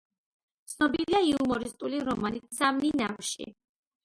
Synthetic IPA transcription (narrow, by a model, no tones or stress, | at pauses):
t̪sʰnɔbiliaiumɔɾist̪ʼuliɾɔmanit̪samninamʃḭ